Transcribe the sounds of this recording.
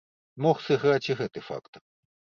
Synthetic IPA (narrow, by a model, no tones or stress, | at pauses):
moχsɨɣɾatʲiɣɛt̪ɨfa̰kt̪